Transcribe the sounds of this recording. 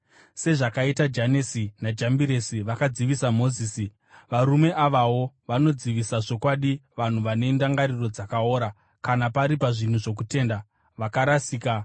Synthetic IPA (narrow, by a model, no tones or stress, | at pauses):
se̞ʐakaitad͡ʒanesinad͡ʒambiɾe̞siʋakad͡ziʋisamo̞ziːsi | ʋaɾume̞ʔaʋawo̞ | ʋano̞d͡ziʋisaʐo̞kwaɗiʋan̤uʋane̞ndaŋɡaɾiro̞d͡zakao̞ːɾa | kanapaɾipaʐin̤uʐo̞kute̞ːnda | ʋakaɾasiːka